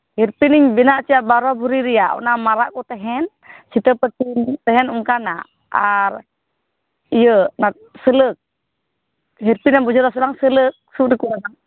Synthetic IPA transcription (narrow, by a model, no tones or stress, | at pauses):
hiɾpiniɲbinaʔt͡ʃiaʔbaɾabuɾiɾiaṵnamaɾaʔkut̪ɛɦɛn | sit̪əpət͡ʃint̪ɛɦɛnuŋkana | aɾ | ijənat̪̚sələk̚ | ɦiɾpinabud͡ʒuɾasulaŋsələk̚suʔdikuɾanaŋ